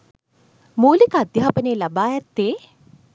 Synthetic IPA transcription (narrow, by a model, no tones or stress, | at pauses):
muːlikəad̪jaɦapəneːlabaːjɛt̪ːeː